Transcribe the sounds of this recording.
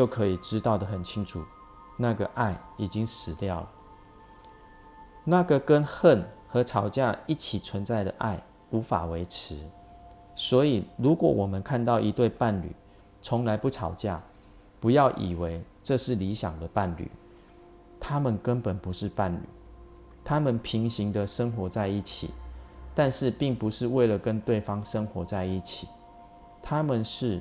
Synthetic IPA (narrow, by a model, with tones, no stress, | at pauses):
t͡ɕjo˥˩ʊkʰə˧˦i˨˩ʈ͡ʂɻ̩˦t̪ɑ˥˩ʊd̪ə˩xə˨˩nt͡ɕʰi˦˥ŋʈ͡ʂʰu˨˩ | na˥˩ɡə˨ʔa˥˩ɪi˨˩t͡ɕi˦ŋʂɻ̩˨˩t̪jɑ˥˩ʊlə˩ | na˥˨ɡə˨kə˦˥nxə˥˩nxɤ˨˦ʈ͡ʂʰɑ˨˩ʊt͡ɕja˥˧i˥˩t͡ɕʰi˨˩t͡sʰwə˨˦nt͡sa˥˩ɪd̪ə˩ʔa̰˥˩ɪ | u˨˥˦fa̰˨˩we˧˥ɪʈ͡ʂ̩ʰ˧˦ | swɔ˧˥i˨˩lu˨˦kwɔ˨˩wʔɔ˨˩mə˦nkʰa˥˧nt̪ɑ˥˩ʊʔi˧˦t̪we˥˧ɪpa˥˩nly̰˨˩˦ | t͡sʰɔ˨˧˦ŋla˧˦ɪpu˥˩ʈ͡ʂʰɑ˨˩ʊt͡ɕja̰˥˩ | pu˨˧˦jɑ˥˩ʊʔḭ˨˩we˧˦ɪ | ʈ͡ʂɤ˥˧ʂɻ̩˥˩li˨˧˦ɕja˨˩ŋd̪ə˨pa˥˩nly̰˨˩˦ | t̪ʰa˦mə˨nkə˦npə˨˩npu˨˦ʂ̩˥˧pa˥˩nly̰˨˩˦ | t̪ʰa˦mə˨npʰi˨˥ŋɕi˦ŋd̪ə˨ʂə˦ŋxwɔ˧˥t͡sa˥˧ɪi˥˩t͡ɕʰḭ˨˩t̪a˥˧nʂɻ̩˥˧pi˥˩ŋpu˨˦ʂɻ̩˥˧we˥˩ɪlə˨˩kə˦nt̪we˥˩ɪfɑ˦ŋʂə˦ŋxwɔ˧˥t͡sa˥˧ɪi˥˩t͡ɕʰi˨˩˦ | t̪ʰa˦mə˨nʂɻ̩˥˩